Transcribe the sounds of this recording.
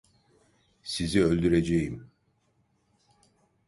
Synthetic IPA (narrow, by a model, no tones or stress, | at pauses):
siziølʲd̪yɾed͡ʒejim